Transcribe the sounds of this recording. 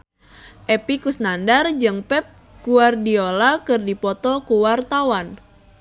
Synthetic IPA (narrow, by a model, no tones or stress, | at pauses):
ʔepikusnandard͡ʒɨŋpɛp̚ | kuardiolakɨrdipɔt̪ɔkuwart̪awan